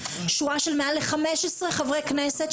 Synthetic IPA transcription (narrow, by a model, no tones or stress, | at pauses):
ʃuaʃelmeʔaleχameʃesʁeχavʁejkneset